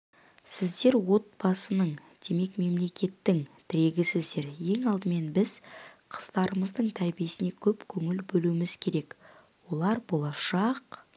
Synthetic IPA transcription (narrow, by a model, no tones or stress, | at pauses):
sɪzd̪e̞ɾwo̞t̪̚b̥ɑsənəɴ | d̪̥e̞me̞kme̞mle̞kʲʰe̞t̪ːɪŋt̪ʰɪɾe̞ɡʲɪsɪzd̪e̞ɾje̞ŋɑlˠd̪əme̞nbɪz̥qʰə̥z̥d̪ɑɾəməzd̪əɴt̪ʰæɾbije̞sɪne̞kʲʰɵpkʲʰɵŋɪlbɵluɪmɪzkʲʰe̞ɾe̞k | wo̞lˠɑɾbo̞lˠɑʃɑq